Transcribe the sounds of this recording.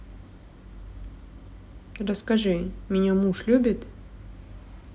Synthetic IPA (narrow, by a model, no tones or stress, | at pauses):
rəskɐʐɨmʲɪnʲamuʂlʲubʲɪt̪